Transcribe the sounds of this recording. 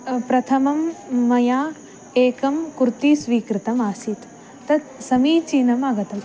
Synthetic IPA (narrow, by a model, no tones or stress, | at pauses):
pɾɐt̪ʰɐmɐmːɐjaː | eːkɐmkuɾt̪iːsʋiːkɾɪt̪ɐmaːsit̪ | t̪ɐt̪sɐmiːt͡ʃiːnɐmɐɡɐt̪ɐm